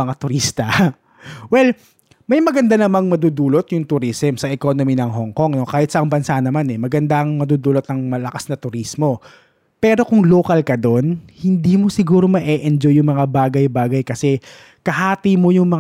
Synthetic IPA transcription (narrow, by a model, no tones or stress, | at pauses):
ɐŋat̪ʊɾist̪ɐ | wɛl | mɐjmɐɡɐnd̪anɐmɐŋmɐd̪ud̪uːlot̪̚jʊŋt̪ʊɾismsɐʔɛko̞nominɐŋɦoŋko̞ŋno̞kaːhɪt̪sɐʔɐŋbɐnsanɐmanɛmɐɡɐnd̪aʔɐŋmɐd̪uːd̪uːlot̪ɐŋmɐlɐkasnɐt̪ʊɾismo̞ | pɛːɾo̞kʊŋloːkɐlkɐd̪o̞nhɪnd̪iːmo̞sɪɡuːɾo̞mɐʔɛʔɛnd͡ʒojːʊŋmɐŋabaːɡɐjbaːɡɐjkɐsɛ | kɐhaːt̪imo̞jʊŋmɐ